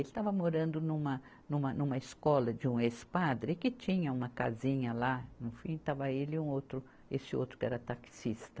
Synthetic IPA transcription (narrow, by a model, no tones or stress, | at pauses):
elɪt̪avɐmoɾɐ̃nd̪ʊnũmɐ | nũmɐnũmɐeskɔlɐd͡ʒɪũespad̪ɾɪkɪt͡ʃĩɲɐũmɐka̰zĩɲɐlanʊfĩt̪avɐelɪũowt̪ɾʊ | esɪo̰wt̪ɾʊ̥kɪɛ̰ɾɐt̪aksist̪ɐ̥